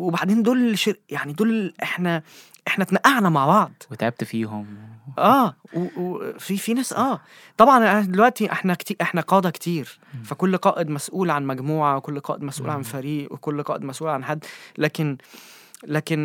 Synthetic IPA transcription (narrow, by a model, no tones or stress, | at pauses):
webaʕd̪eːnd̪oːlʃeɾʔjaʕnid̪oːlʔeħnæ | ʔeħnæʔnæʔaʕnæmaʕbɑʕd̪wet̪ʕeb̚t̪fiːɦomʔæːwewfifinæːsʔæː | t̪ˤɑbʕɑnʔʔed̪elwæʔt̪iʔeħnækt̪iːʔeħnæqɑːd̪ɑkt̪ʰiːɾfækolːqɑːʔed̪mæsʔuːlʕanmæɡmuːʕawekolːqɑːʔed̪mæsʔuːlʕanfæɾiːʔwekolːqɑːʔed̪mæsʔuːlʕanħad̪ːlæːken | læːken